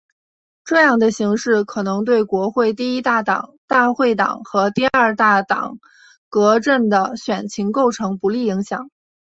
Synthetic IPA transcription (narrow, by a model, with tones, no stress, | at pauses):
ʈ͡ʂɤ˥˧jɑ˥˩ŋd̪ə˩ɕi˧˥ŋʂɻ̩˥˩kʰɤ˨˩nɤ˧˥ŋt̪̬we˥˩ɪkwɔ˧˥xwe˥˧ɪt̪i˥˩i˥t̪a˥˩t̪ɑ̰˨˩˦ŋt̪a˥˧xwe˥˩ɪt̪ɑ̰˨˩˦ŋxɤ˧˥t̪i˥˧ɐ˞˥˧t̪a˥˩t̪ɑ̰˨˩˦ŋ | kɤ˧˥ʈ͡ʂə˥˩nd̪ə˩ɕɥɛ˨˩nt͡ɕʰi˧˥ŋko˥˩ʊʈ͡ʂʰɤ˧˥ŋpu˧˥li˥˩i˧˥ŋɕjɑ˨˩˦ŋ